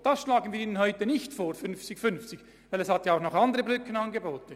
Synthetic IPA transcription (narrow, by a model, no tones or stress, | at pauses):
d̥ɑsʃlaːɡən̩viːɾiːnənɦɔʏtənɪçtfoːɾfʏnft͡sɪkfʏnft͡sɪç | vaɪlɛshɑtjaaʊxnɔχɑndəʁəbʁʏkənɑnɡeboːtə